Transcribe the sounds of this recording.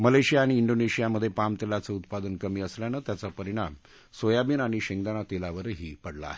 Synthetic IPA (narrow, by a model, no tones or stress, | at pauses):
məleɕijaːɽ̃iːɳɖoneɕijaməd̪ʱːjepamt̪elat͡səut̪pad̪ənkəmiːəsljanat̪jat͡sapəɾiɽ̃am | sojabiːnaɽ̃iɕeŋd̪anat̪elaʋəɾɦiːpəɽla̰a̰ɦe